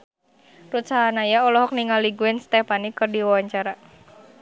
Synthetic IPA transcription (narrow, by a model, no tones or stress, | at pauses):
rut̪saɦanajaɔlɔɦɔk̚niŋaliɡuɛnst̪ɛpanikɨrdiwawaɲt͡ʃaɾa